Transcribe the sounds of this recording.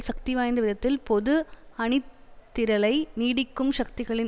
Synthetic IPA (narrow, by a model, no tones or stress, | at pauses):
sɐk̚t̪iʋaːjnd̪ɐʋɪðɐt̪ːɪlpɔðɯɐɳɪt̪ːɪɾɐlɐɪniːɽɪkːɯmʃɐk̚t̪ɪɣɐɭɪn